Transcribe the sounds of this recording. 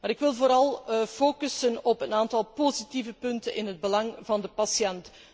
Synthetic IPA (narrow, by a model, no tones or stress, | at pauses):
maːɾɪkʋɪlˠvoːɾɑlˠfoːkəsənɔpənaːntɑlˠpozitivəpɵntə̰nʔɪ̰nɦəd̚bəlɑŋvɑndəpɑsjɛnt